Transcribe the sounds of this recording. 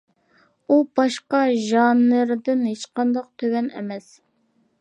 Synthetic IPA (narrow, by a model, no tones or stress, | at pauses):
ubɑʃqɑʒɑnːɨɾd̪ɪnhet͡ʃqʰɑnd̪ɑq̚t̪ʰøwɛnɛ̰mɛs